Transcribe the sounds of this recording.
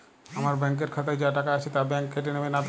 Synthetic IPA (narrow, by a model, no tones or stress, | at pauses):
amaɾbɛŋk̬eɾkʰat̪̬ajd͡ʑaʈakaat͡ɕʰet̪abɛŋkːeʈ̬enemenat̪